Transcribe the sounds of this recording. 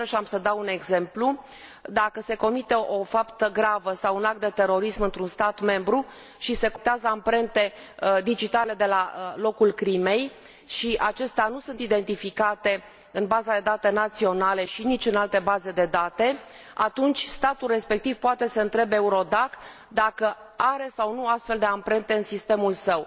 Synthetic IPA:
ʃiamsəd̪aune̞ɡze̞mplu | d̪akəse̞ko̞mit̪e̞ʔo̞fapt̪əɡɾavəsawunak̚t̪d̪e̞t̪e̞ɾo̞ɾismɨnt̪ɾunst̪at̪me̞mbɾu | ʃise̞kot̪eazəampɾe̞nt̪e̞ | d̪id͡ʒit̪ale̞d̪e̞lalo̞kulkɾime̞j | ʃiʔat͡ʃe̞st̪eanusunt̪id̪e̞nt̪ifikat̪e̞ | ɨnbazad̪e̞d̪at̪e̞nat̪sio̞nale̞ʃinit͡ʃʲɨnalt̪e̞baze̞d̪e̞d̪at̪e̞ | a̰t̪unt͡ʃʲst̪at̪ulre̞spe̞k̚t̪iv̥poat̪e̞səɨnt̪ɾe̞beuɾo̞d̪ak | d̪akə | aɾe̞sawnuast̪fe̞ld̪e̞ampɾe̞nt̪e̞ɨnsist̪e̞mulsəw

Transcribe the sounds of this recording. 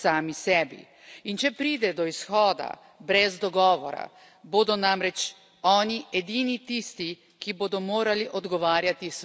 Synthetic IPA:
saːmisɛːbḭ | int͡ʃɛpɾiːd̪ɛd̪ɔisxɔːd̪a̰ | bɾɛzd̪ɔɡɔːʋɔ̰ɾa̰ | boːd̪ɔnaːmɾɛt͡ʃ | ɔːniɛd̪iːnit̪iːst̪i | kiboːd̪ɔmoːɾaliʔɔd̪ɡɔʋaːɾjat̪is

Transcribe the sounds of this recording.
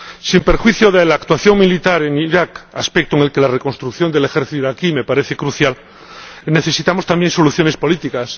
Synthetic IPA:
simpe̞ɾxwiθjoðelakt̪waθjo̞ŋmilit̪aɾeŋiɾakaspek̚t̪oeŋelke̞lareko̞nst̪ɾukθjo̞nd̪elexeɾθit̪iɾakime̞paɾeθekɾuθjal | ne̞θe̞sit̪amo̞st̪ambje̞nso̞luθjo̞ne̞spo̞lit̪ikas

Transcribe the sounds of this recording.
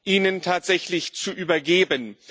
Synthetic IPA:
ʔiːnəntʰaːtz̥ɛçlɪçt͡suʔyːbɐɡeːbən

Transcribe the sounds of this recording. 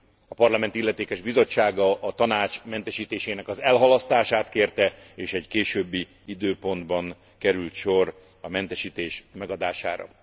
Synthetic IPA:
ɒpɒrlɒmɛnt̪ilːɛt̪eːkɛʒbizo̞t͡ʃːaːɡɒʔɒt̪ɒnaːt͡ʃmɛnt̪ɛʃiːt̪eːʃeːnɛkɒzɛlɦɒlɒst̪aːʃaːt̪keːrt̪ɛeːʃɛɟkeːʃøːbːi | id̪øːpo̞nd̪bɒn | kɛɾylt̪ʃo̞ɾ | ɒmɛnt̪ɛʃiːt̪eːʃmɛɡɒd̪aːʃa̰ːɾɒ̰

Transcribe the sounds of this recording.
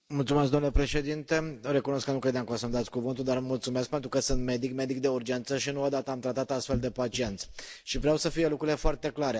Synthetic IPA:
mult̪sumeskd̪onulepɾe̞ʃe̞d̪int̪e̞oɾe̞kunoskːənukɾe̞d̪eamkasəmd̪at̪sʲkuvɨnt̪uld̪armult̪sume̞sk̚pe̞nt̪ɾukəsɨnt̪me̞d̪ikme̞d̪ik̚d̪e̞urd͡ʒe̞nt̪səʃinuod̪at̪əamt̪ɾat̪at̪ast̪fe̞ld̪e̞pat͡ʃie̞nt̪sʲʃivɾeawsəfije̞lukɾuɾilefoart̪e̞klaɾe

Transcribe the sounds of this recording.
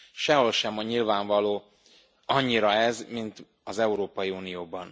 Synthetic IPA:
ʃɛɦo̞lʃɛmɲilvaːɱvɒloː | ɒɲːiɾɒɛzmint̪ | ɒzɛuɾoːpɒjiuːnijoːbɒn

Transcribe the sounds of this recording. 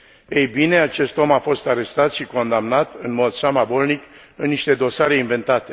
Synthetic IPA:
ejbine̞at͡ʃe̞st̪o̞mafo̞st̪aɾe̞st̪at̪ʃiko̞nd̪amnat̪ɨnmo̞d̪samabo̞lnik | ɨnːiʃt̪e̞d̪o̞saɾe̞inve̞nt̪at̪e̞

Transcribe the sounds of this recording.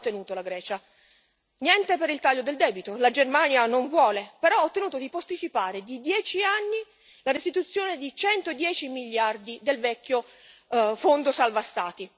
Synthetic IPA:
t̪ːenuːt̪olaɡɾɛːt͡ʃa | njɛnt̪epeɾilt̪aʎːod̪eld̪ɛːbit̪olad͡ʒermanjanoɱvwɔːlepeɾɔɔt̪ːenuːt̪od̪ipost̪it͡ʃipaːɾed̪id̪jɛːt͡ʃianːi | larest̪it̪ut̪sːjoːned̪it͡ʃɛnt̪od̪jɛːt͡ʃimiʎːard̪id̪elvɛkʰːjo | fond̪osalvast̪aːt̪i

